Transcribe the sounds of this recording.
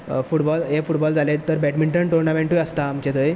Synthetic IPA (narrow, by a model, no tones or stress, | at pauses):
fuʈbɔlefuʈbɔld͡zʱalet̪ːəɾbɛʈmiɳʈəɳʈuɾnameɳʈuəst̪aːmt͡ɕet̪əj